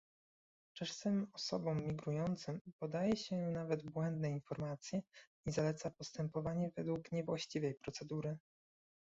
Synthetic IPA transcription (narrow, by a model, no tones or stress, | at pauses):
t͡ʂɛʂsɘmɔsɔbɔmːʲiɡɾujɔnt̪sɘmpɔd̪ajɛɕɛnavɛd̪bwɛnd̪nɛinfɔɾmat̪sʲjɛ | izalɛt̪sapɔst̪ɛmpɔvaɲɛvɛd̪wukɲɛvwaɕt͡ɕivɛjpɾɔt̪sɛd̪uɾɘ